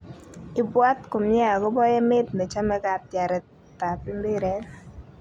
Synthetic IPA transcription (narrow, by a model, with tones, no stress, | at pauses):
ɪ˨bwa˦tko˨mjɛ˦a˨ɡɔ˦bɔ˦jɛ˦mɪ˦tnɛ˨t͡ʃa˦mɛ˦ka˦t̚ja˨ɾɛ˨ | ta˨pɪ˦mbɪ˦ɾɛ˦